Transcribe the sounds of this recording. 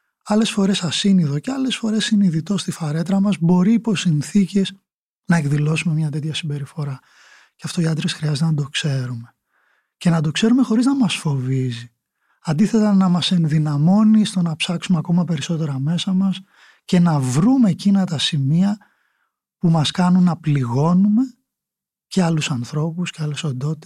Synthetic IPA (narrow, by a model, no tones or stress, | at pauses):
ɐle̞sfo̞ɾe̞sɐsiniðo̞ceɐle̞sfo̞ɾe̞sːiniðit̪o̞st̪ifɐɾe̞t̪ɾɐmɐzbo̞ɾiːpo̞sinθice̞s | nɐekðilo̞sume̞mɲɐt̪̬e̞t̪çɐsimbe̞ɾifo̞ɾɐ | ceɐft̪o̞iɐd̪ɾesxɾiɐzet̪enɐd̪o̞kse̞ɾume̞ | ce̞nɐd̪o̞kse̞ɾume̞xo̞ɾiznɐmɐsfo̞vizi | ɐnd̪iθe̞t̪ɐnɐmɐse̞nðinɐmo̞nist̪o̞nɐpsɐksumeɐko̞mɐpe̞ɾisot̪e̞ɾɐme̞sɐmɐs | ce̞nɐvɾume̞cinɐt̪ɐsimiɐ | pumɐskɐnunːɐpliɣo̞nume̞ | ceɐlusɐnθɾo̞pusceɐlesond̪o̞t̪it̪